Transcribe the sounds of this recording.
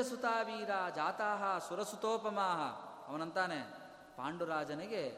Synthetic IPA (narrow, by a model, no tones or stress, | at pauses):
ɐsut̪aːʋiːɾaːd͡ʒaːt̪aːɦɐsuɾɐsut̪oːpɐmaːɦɐ̰ | ɐʋɐnɐnt̪aːne | pa̰ːɳɖuɾaːd͡ʒɐneɡe